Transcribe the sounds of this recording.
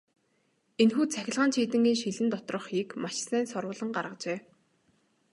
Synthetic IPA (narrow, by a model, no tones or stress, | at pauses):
enxuːt͡sʰæxʲɪ̆ɮʁaːnt͡ɕʰiːt̪ɘ̆ŋɡʲiːŋʃiɮɘ̆nt̪ɔt̪rɞ̆χxiːkmaʃsæːnsɔrwʊːɮə̆ŋɢarʁə̆t͡ɕeː